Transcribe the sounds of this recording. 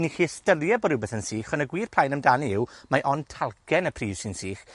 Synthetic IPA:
niχiːɛstəlˠjabɔdɪwbeːθənsiːχɔnəɡwiːr̥pʰlˠajnəmdaniɪwmaʔɔntʰalˠkʰɛnəpʰriːv̥sɪnsiːχ

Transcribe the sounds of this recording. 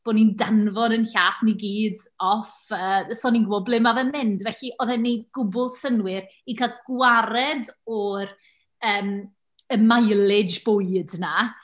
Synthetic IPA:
b̥oːnindanvɔdənɬaːtʰniɡiːdɔfəːsɔninɡwɔblˠɪmavɛmɪndvɛɬiʔɔðɛnːejdɡʊbʊlˠsənwɪɾikʰalˠɡ̥waɾɛdɔɾ | əːm | əmajlˠɪd͡ʒb̥ojdna

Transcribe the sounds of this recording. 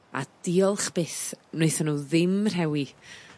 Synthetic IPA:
a̰d̥iɔlˠχb̥eθnejθɔnuːðɪmr̥ɛwi

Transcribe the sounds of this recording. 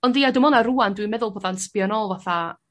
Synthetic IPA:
ɔndiːadɪmɔnaɾuːandwimɛðʊlˠboːðanspjanɔlˠvaθa

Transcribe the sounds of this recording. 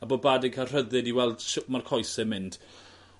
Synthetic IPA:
əbɔbaːdɪɡ̚kʰar̥əðɨdiwɛlˠd̥ʃmarkʰɔjsɛmɪnd̥

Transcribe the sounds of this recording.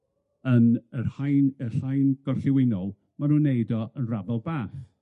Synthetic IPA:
ənərhajnəɬajnɡ̥ɔrɬɪwɪnɔlˠ | manuːnːejdɔənrabɛlˠbaːθ

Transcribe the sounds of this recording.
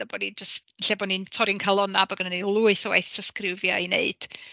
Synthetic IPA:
abɔnid͡ʒɔst | ɪɬabɔnintʰɔɾɪnkʰalˠɔnabɔɡənənelˠuɨθəwḛjθtʰraskrɪwvjɔinḛɨd̥

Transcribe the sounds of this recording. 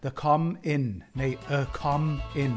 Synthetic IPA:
ðəkʰʌ̃mɪ̃nneɪəkʰʌ̃mɪ̃n

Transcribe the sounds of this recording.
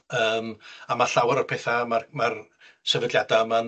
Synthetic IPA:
əːmamaɬawaɾɔrpʰeːθamarmar | səvədlˠjadaman

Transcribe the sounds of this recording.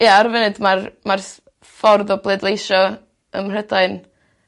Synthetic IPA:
jaarvɛnɨdmarmar | fɔrðɔblˠedlˠejʃɔ | ə̰mr̥ədaɨn

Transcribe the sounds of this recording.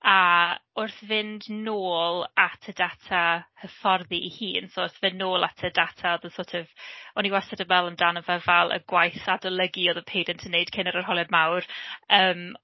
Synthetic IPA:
aʊrθvɪndnoːlˠatʰədatʰahəfɔrðiihiːnsoʊrθvɪnːoːlˠa̰tʰədatʰaɔðəsoːtʰɪvɔniwasɛdəmɛlˠəmdanəvɛvɛlˠə̰ɡwajθadəlˠəɡioːðəpʰejdəntʰənːeɨd̥kʰɪnəɾər̥ɦɔlˠjɔd̚mawrəːm

